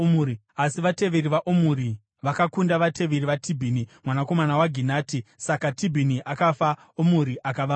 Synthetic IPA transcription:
ui | asiʋate̞ʋeɾiʋaʔomuɾi | ʋakakundaʋatʰe̞ʋeɾiʋatʰibʱiːnimwanako̞manawaɡʱinaːtisakatibʱiniʔakafa | omuɾiʔakaʋa

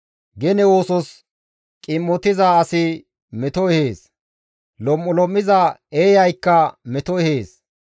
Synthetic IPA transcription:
ɡɛnɛwoːsɔs | kʼɪmːɔt̪ɪzaːsɪ | mɛt̪ɔɛheːs | lɔmːɔlɔmːɪzɐeːjɐjkːɐmɛt̪ɔɛheːs

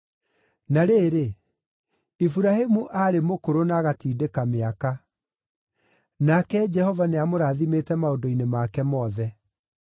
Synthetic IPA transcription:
naɾeːɾe | ifuɾaɦemuʔaɾemokoɾonaɣatiːdekameaka | nakɛd͡ʒɛhɔvaneamoɾaːðimeːtɛmaodoinemakɛmɔːðɛ

